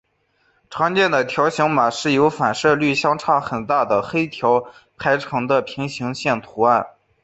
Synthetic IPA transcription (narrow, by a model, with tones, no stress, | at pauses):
ʈ͡ʂʰɑ˧˥ŋt͡ɕjɛ˥˩nd̪ə˩t̪ʰjɑ˧˥ʊɕɑ˧˥ŋma˨˩ʂɻ̩˥˩jo˧˥ʊfa˨˩nʂɤ˥˧ly˥˩ɕjɑ˥ŋʈ͡ʂʰɑ˥˩xə˨˩nt̪a˥˩d̪ə˩xe˥ɪt̪ʰjɑ˧˥ʊpʰa˧˥ɪʈ͡ʂʰɤ˧˥ŋd̪ə˧pʰi˧˥ŋɕi˧˥ŋɕjɛ˥˩nt̪ʰu˧˥a˥˩n